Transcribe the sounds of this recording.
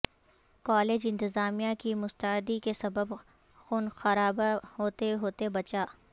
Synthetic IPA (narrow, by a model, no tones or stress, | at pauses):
kɔːleːd͡ʒɪ̃nt̪ɪzaːmijãkimʊst̪əɪd̪ikesɐbəb | xuːnxɐɾaːbaɦoːt̪eɦoːt̪ebɐt͡ʃaː